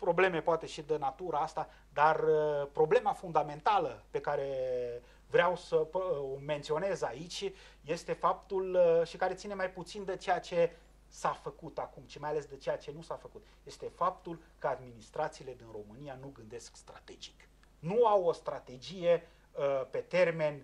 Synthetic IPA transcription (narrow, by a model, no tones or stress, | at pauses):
pɾo̞ble̞me̞poat̪e̞ʃid̪ənat̪uɾaast̪a | d̪arəpɾo̞ble̞mafund̪ame̞nt̪aləpe̞kaɾe̞ | vɾeawsəome̞nt̪sio̞ne̞zait͡ʃʲ | je̞st̪e̞fap̚t̪ulʃikaɾet̪sine̞majput̪sind̪et͡ʃejat͡ʃe̞ | safəkut̪akumʃimajale̞sd̪et͡ʃe̞jat͡ʃe̞nusafəkut̪je̞st̪e̞fap̚t̪ulkəad̪minist̪ɾat̪siːle̞d̪inro̞mɨnijanuɡɨnd̪e̞skst̪ɾat̪e̞d͡ʒi̥k | nuawo̞st̪ɾat̪e̞d͡ʒije̞ | pe̞t̪e̞rme̞nʲ